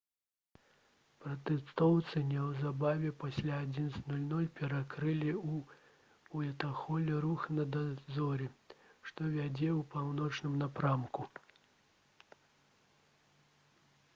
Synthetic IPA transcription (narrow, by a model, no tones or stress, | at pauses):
pɾɐt̪ɛst̪ɔwt̪sɨnʲɛwzabavʲɛpasʲlʲaːd͡zʲinsnulʲnulʲpʲɛɾakɾɨlʲiu | uɛt̪axɔlʲɛɾuxnɐd̪azɔɾʲɛʂt̪ɔvʲad͡zʲɛwpawnɔt͡ʂnɨmnapɾamku